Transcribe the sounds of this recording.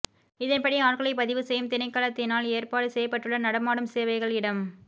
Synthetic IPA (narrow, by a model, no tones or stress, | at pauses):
ɪðɐnpɐɽiaːrɣɐɭɐɪpɐðɪʋɯsɛjɯmt̪ɪnɐɪkːaːlɐt̪ːɪnaːleːrpaːɽɯsɛjɐpːɐʈːɯɭːɐnɐɽɐmaːɽɯmseːʋɐɪɣɐɭɪɽɐm